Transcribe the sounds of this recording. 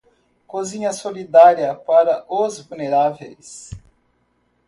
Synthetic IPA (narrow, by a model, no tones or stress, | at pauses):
kozĩɲɐsolid̪aɾiɐpaɾɐʔozvulneɾavejs